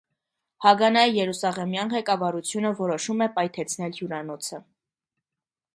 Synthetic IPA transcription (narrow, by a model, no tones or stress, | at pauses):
hɑɡɑnɑjjɛɾusɑʁɛmjɑnʁɛkɑvɑɾut͡sʰjunəvɔɾɔʃumɛpɑjt̪ʰɛt͡sʰn̪ɛlhjuɾɑnɔt͡sʰə